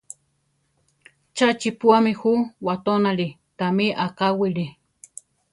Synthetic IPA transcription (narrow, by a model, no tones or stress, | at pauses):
t͡ʃat͡ʃipuamĩhuwat̪onaɾi | t̪amiʔakawiɾi